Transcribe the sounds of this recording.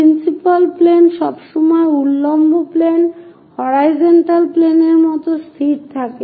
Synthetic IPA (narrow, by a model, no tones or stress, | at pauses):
pɾinsipalplenʃɔbʃɔmɔeulːombʱoplen | hɔɾajd͡ʑonʈalpleneɾmɔt̪ost̪ʰiɾt̪ʰake